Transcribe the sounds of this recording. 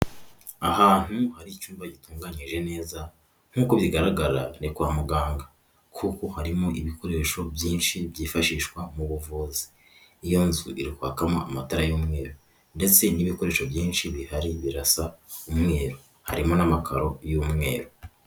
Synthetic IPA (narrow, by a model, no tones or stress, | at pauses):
ahaːn̥huhaɾicuːmbaɟituːŋɡaɲiʒe̞ne̞ːza | ŋ̥huːkoβjiɡaɾaɡaɾanikwaːmuɡaːŋɡa | kʰuko̞haɾimoiβiko̞ɾe̞ʃo̞bjiːnʃiβjiːfaʃiːʃkwamuβuvuːzi̥ː | jo̞nzṵʔiɾikwa̰ːkamoamataɾajuːmŋe̞ːɾo̞ | nde̞t͡se̞niβiko̞ɾe̞ːʃo̞bjiːnʃiβihaɾiβiɾasaumŋe̞ːɾo | ha̰ɾimo̞namakʰaɾo̞jumŋe̞̰ːɾo̞